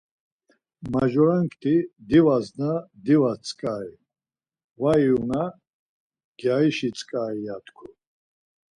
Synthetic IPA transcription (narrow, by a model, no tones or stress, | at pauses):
maʒɔɾaŋkʰt̪ʰʼid̪ivaznad̪ivat͡sʼkʼai | vaiuna | ɡ̥jaiʃit͡sʼkʼaijat̪ʰkʰu